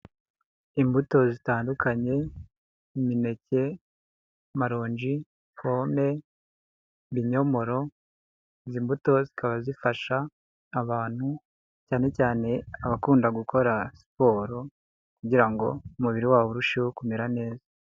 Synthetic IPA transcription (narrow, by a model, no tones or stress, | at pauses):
imbuto̞zitaːndukaɲe̞ | imine̞ce̞ | maɾo̞ːɲʒi | fo̞ːme̞ | βiɲo̞mo̞ɾo̞ | zimbuto̞zikaβazifaʃaː | βaːn̥hu | caːne̞caːne̞aβakuːndaɡukʰo̞ɾasi̥po̞ːɾo | kuɟiɾaŋɡo̞̰umuβiɾiwaːβoɾuʃiokumeɾane̞ːza